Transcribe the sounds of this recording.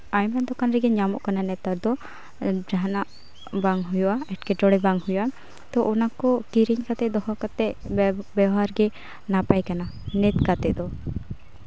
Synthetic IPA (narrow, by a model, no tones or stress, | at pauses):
ajmand̪ɔkanɾɛɡɛɲamɔʔkananɛt̪aɾd̪ɔ | d͡ʒaɦanaʔ | baŋɦujuaɛʈkɛʈɔɽɛbaŋhuja | t̪ɔʔɔnakɔkiɾiɲkat̪ɛd̪ɔhɔkat̪ɛʔbɛɦaɾɡɛ | napajkananɛt̪kat̪ɛʔ̚d̪ɔ